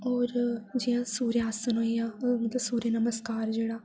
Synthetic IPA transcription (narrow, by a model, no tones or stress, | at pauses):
ɔːɾd͡ʒijãːsuːɾejaːsənɦoːiãːmɐt̪ləbsuːɾeːnəməskaːɾd͡ʒeːɽaː